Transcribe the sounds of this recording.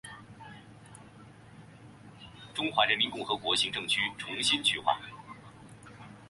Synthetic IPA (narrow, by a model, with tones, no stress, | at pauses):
ʈ͡ʂʊ˥ŋxwa˧˥ɻə˧˥nmi˧˥nkʊ˥˩ŋxɤ˧˥kwɔ˧˥ɕi˧˥ŋʈ͡ʂɤ˥˩ŋt͡ɕʰy˥ʈ͡ʂʰʊ˧˥ŋɕi˥nt͡ɕʰy˥xwa̰˥˩